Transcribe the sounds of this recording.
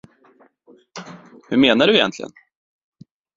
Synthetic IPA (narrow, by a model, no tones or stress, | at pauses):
hɵɾmeːnaɖɵɛjɛ̰nt̪lɪɡə̰n